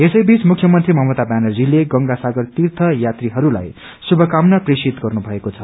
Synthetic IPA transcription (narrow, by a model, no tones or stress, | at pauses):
esʌjbit͡smukʰjʌmʌnt̪rimʌɦmʌt̪abanʌlːileɡʌŋɡasaɡʌrt̪irt̪ʰʌjat̪riɦʌɾula̰j | subʱʌkamnʌpresit̪ɡʌrnubʱʌekot͡sʰʌ